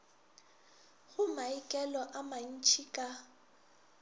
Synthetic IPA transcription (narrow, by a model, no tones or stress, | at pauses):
ɣʊmaikʼɛlɔʔaman̩t͡ʃʰikʼa